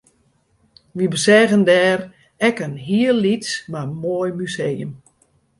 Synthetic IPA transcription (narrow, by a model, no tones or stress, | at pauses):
ʋibəsɛːɣəndɛːr | ɛkənɦiəlːitsmamoːjmyseːəm